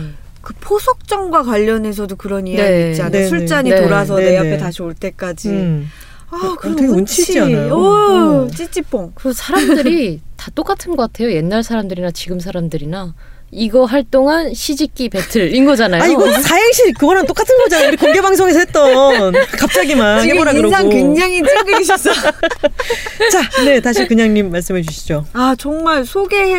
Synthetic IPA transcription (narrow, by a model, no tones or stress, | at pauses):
kɯpʰosʰʌk̚t͡ɕ͈ʌŋɡwakwaʎːʌne̞s̬ʰʌdokɯɾʌniaet͡ɕ͈ianesʰuɭt͡ɕ͈aɲietoɾas̬ʰʌneapʰetaɕʰioɭt͈e̞k͈ad͡ʑi | akɯeɡont͡ɕʰiiaʌ | t͡ɕ͈it͡ɕ͈ip͈oŋkɯsʰaɾamdɯɾitat͈ok͈atʰɯnɡʌk͈atʰe̞joje̞nːaɭsʰaɾamdɯɾinat͡ɕiɡɯmsʰaɾamdɯɾina | iɡʌɦaɭt͈oŋanɕʰid͡ʑik͈ipe̞tʰɯɭinɡʌd͡ʑanajaioɡʌnsʰaɦeɕʰiɾkɯɡʌɾant͈ok͈atʰɯnɡʌd͡ʑanauɾikoŋɡe̞baŋsʰoŋe̞s̬ʰʌhet̚t͈ʌnnkap̚t͡ɕ͈aɡimannhemoɾaɡɯɾoakweŋd͡ʑaŋieɡɕʰs͈ʌ | t͡ɕane̞taɕʰikɯɲaŋɲimːaɭs͈ɯmet͡ɕuɕʰid͡ʑoat͡ɕʌŋmaɭsʰoɡe̞